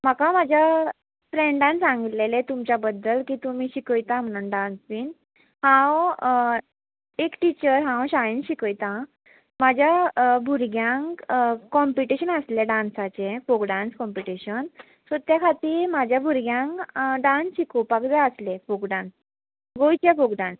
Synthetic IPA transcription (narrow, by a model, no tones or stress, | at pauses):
m̤akamad͡ʑʱja | fɾẽɳɖãnsãŋɡit̪lelet̪umt͡ɕabəd̪ːəlkiːt̪umiːɕikəjt̪am̤əñənɖãnsʋiːn | hãw | ekʈit͡ɕəɾɦãwɕajinɕikəjt̪ã | mad͡ʑʱjabʱuɾɡjãŋkkɔmpiʈiɕənəsleɖãnsat͡sefokɖãnskɔmpiʈiɕən | sət̪jakʰat̪iːɾmad͡ʑʱjabʱuɾɡjãŋkɖãnsɕikopakd͡zaəslefokɖãns | ɡojt͡ɕjafokɖãns